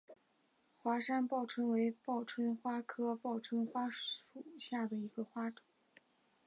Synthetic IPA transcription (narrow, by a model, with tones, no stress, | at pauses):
xwa˧˥ʂa˥npɑ˥˩ʊʈ͡ʂʰwə˥ŋwe˧˥ɪpɑ˥˩ʊʈ͡ʂʰwə˥nxwa˥kʰɤ˥pɑ˥˩ʊʈ͡ʂʰwə˥nxwa˥u˨˩ɕja˥˩d̪ə˩i˧˥ɡə˧xwa˥ʈ͡ʂɤ̥˨˩˦